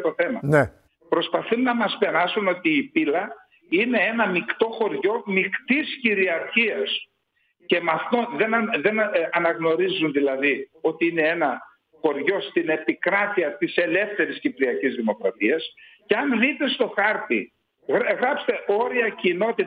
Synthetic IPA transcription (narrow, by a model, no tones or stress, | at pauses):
t̪o̞θe̞mɐne | pɾo̞spɐθunːɐmɐspenɐsuno̞t̪iːpilɐ | ine̞enɐmikt̪o̞xo̞ɾʝo̞mikt̪isciɾiɐɾçiɐs | ce̞mɐθnoðenɐðe̞nɐnɐɣno̞ɾizunðilɐðio̞t̪iine̞enɐ | xo̞ɾʝo̞st̪ine̞pikɾɐt̪iɐt̪ise̞le̞fθe̞ɾiscipɾiɐcizðimo̞kɾɐt̪iɐsceɐnlit̪e̞st̪o̞xɐɾt̪i | ɣɣɾɐpst̪e̞o̞ɾiɐcino̞t̪i